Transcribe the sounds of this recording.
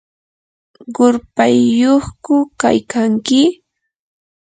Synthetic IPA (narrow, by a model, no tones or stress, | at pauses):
ɢʊɾpajːoχkʊka̰jkaŋkɪ